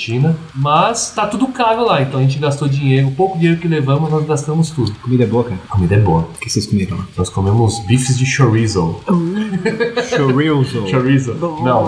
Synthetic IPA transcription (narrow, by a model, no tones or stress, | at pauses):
ʃĩnɐ | mɐst̪at̪ud̪ʊkavʊlaẽt̪ɐ̃wɐʒẽt͡ʃɪɡast̪od͡ʒĩɲejɾʊpowkʊd͡ʒĩɲejɾʊkɪlevɐ̃mʊznɔzɡast̪ɐ̃mʊst̪ud̪ʊkomid̪ɐɛboɐkaɾɐkomid̪ɐɛboɐkɪseskomeɾɐ̃lanɔskomẽmʊzbifɪzd͡ʒɪʃoɾizo | ʃoɾizoʃoɾizoonɐ̃w̃